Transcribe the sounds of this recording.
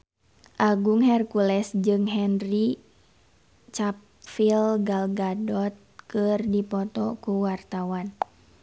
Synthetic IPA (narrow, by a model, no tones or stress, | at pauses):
ʔaɡuŋhɛrkulɛsd͡ʒɨŋɦɛnri | t͡ʃap̚ | filɡalɡadɔt̪̚kɨrdipɔt̪ɔkuwart̪awan